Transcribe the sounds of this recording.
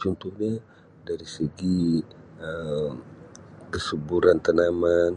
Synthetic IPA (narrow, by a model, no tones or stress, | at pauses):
t͡ʃunt̪uhɲa | daɾisəɡi | əmkəsubuɾant̪ənaman